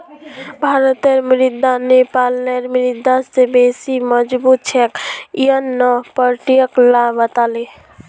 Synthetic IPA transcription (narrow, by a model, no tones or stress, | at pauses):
bʱaɾət̪eɾmɾid̪anepalneɾmɾid̪ːasebesiməd͡ʒbut̪̚t͡ʃʰekijənːɔpəɾʈijəklabət̪ali